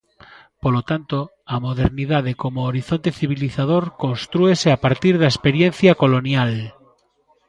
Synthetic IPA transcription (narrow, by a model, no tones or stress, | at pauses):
polot̪ant̪o | amoð̞eɾniðað̞ekomoːɾiθont̪eθiβ̞iliθað̞oɾko̞nst̪ɾueseapaɾt̪iɾðaespeɾjenθjakolonjal